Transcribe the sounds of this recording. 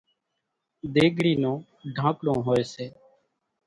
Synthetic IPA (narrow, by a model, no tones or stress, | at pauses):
d̪eːɡɽiːnõː | ɖʱãːkɽõːɦoːeːseː